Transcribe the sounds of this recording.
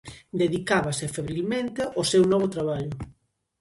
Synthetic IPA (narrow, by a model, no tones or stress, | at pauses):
d̪eðikaβasefeβɾilmẽnt̪eʔosewnɔβ̞ʊt̪ɾaβaʎʊ